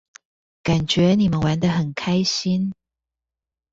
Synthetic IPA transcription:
ka˨˩nt͡ɕɥɛ˨˧˥ni˨˩mə˨˦nwa˧˦nd̪ə˨xə˨˩nkʰa˥ɪɕi˦n

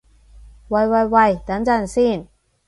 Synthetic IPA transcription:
wɐ˨˩jwɐ˨jwɐ˨˩jt̪ɐ˨˥nt͡sɐ˨˧˥nsiː˥˩n

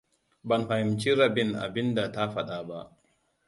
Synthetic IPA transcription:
bɐ˨nɸa˨hɪ˨mt͡ʃiː˦ɾɐ˨bɪ˦nʔa̰˨bɪ˦nda˨ta˦ɸɐ˦˨ɗaː˦ba˦ʔ

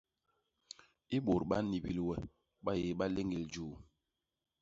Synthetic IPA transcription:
i˦ɓo˨ɾɓa˦ni˨bi˨lwɛ˨ | ɓa˦je˨˦ɓa˦le˦ŋi˨ld͡ʒuː˦˨

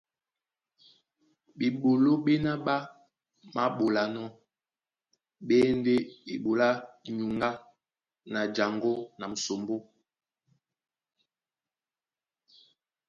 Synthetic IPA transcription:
ɓi˨ɓo˨lo˦ɓe˦na˦ɓa˦ | ma˦ɓo˨la˦nɔ˦ | ɓe˦nde˦i˨ɓo˨la˦ɲu˨ŋɡa˦ | na˨d͡ʒa˨ŋɡo˦na˨m̩˨so˨mbo˦

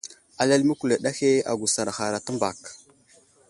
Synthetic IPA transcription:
a˨la˦lmə˦ku˨la˨ɗa˦xe˦a̰˨ɡu˨sa˨ɾa˨xa˨ɾa˨ta˦mba˨k

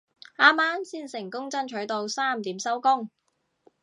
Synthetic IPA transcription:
aː˥maː˥nsiː˥nsɪ˨˩ŋkʊ˥ŋt͡sɐ˥nt͡ʃʰɵ˨˥ɥt̪o˧wsaː˥˩m̩˨t̪iː˨˥msɐ˥wkʊ˥ŋ

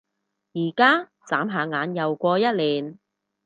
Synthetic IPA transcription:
jiː˨˩kaː˥t͡saː˨˥mɦaː˨˧ŋaː˨˧njɐ˨wkʷɔː˧jɐ˥t̚liː˨˩n

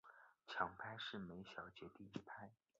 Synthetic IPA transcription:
t͡ɕʰjɑ˧˥ŋpʰa˥ɪʂɻ̩˥˩me˧˥ɪɕjɑ˨˩ʊt͡ɕjɛ˧˥t̪i˥˩i˥˩pʰa˥ɪ

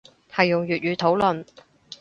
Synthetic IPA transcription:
hɐ˨jːʊ˨ŋjyː˨t̚jyː˨˥t̪ʰo˨˥wlɵ˨n

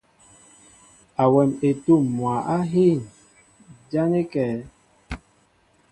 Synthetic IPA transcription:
a˨wɛ˨me˨tu˦˨mːwa˨ʔa˦ɦi˦˨n | d͡ʒa˦ne˦kɛ˨

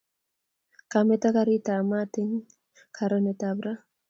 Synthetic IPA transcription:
ka˨mɛ˦ta˦ka˦ɾi˦ta˨ma˦tɪ˦ŋ | kʰa˨ɾa˦nɛ˨ta˨bɾa˦

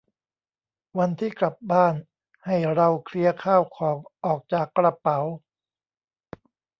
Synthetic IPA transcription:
wa˧nt̪ʰiː˥˩kla˨˩p̚baː˥˩n | ha˥˩jɾa˧wkʰli˧ɐkʰaː˥˩wkʰɔː˩˦ŋʔɔː˨˩k̚t͡ɕaː˨˩kːɾa˧pa˩˦w

